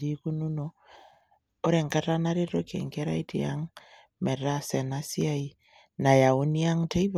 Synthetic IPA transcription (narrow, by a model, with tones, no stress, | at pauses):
ɾi˦ku˦nu˦no˦ | o˦ɾɛ˨ŋka˦ta˦na˦ɾe˦ɾo˦kḛ˨ŋkɛ˦ɾa˦i˦tḭ˨a̰˦ŋ | mɛ˨ɾa˦sɛ˨na˦si˦a˦i˦ | na˨ja˨u˦ni˦a˦ŋte˦i˦β